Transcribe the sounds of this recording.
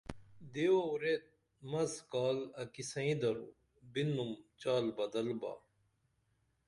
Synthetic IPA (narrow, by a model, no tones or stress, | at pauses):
d̪euɾet̪̚ | mɐzkaːlɐkisɐ̃ĩd̪ɐɾṵ | binːumt͡ɕaːlbɐd̪ɐlba̰ː